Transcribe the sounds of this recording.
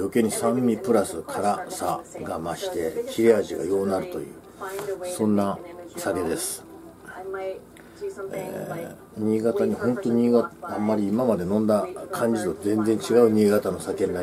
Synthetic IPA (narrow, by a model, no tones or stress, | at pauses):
jokʲeɲ̟isãmːʲipɯ̟ɾasɨkʰaɾasa̰ɡamaɕi̥t̪e̞kʲiɾʲiaʑiɡa̰jo̞ːnaɾɯ̟t̪o̞̰jɯ̟̰ː | sõ̞nːasaɡe̞d̪e̞sɨ̥ | ḛ | ɲ̟iːɡat̪aɲ̟ihõ̞nt̪o̞ɲʲiːɡaamːaɾʲiːmamad̪e̞nõ̞nd̪akʰãɲ̟d͡ʑizozẽ̞nd͡zẽ̞ɲ̟t͡ɕiɡaɯ̟ɲ̟iːɡat̪ano̞sake̞nːa